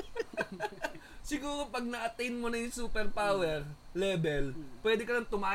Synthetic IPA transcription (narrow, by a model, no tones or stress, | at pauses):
sɪɡuːɾopɐɡ̚nɐʔɐt̪ɛjnmonɐjʊŋsuːpɛɾpaːwɛɾlɛːbɛlpwɛːd̪ɛkɐnɐŋt̪ʊmaː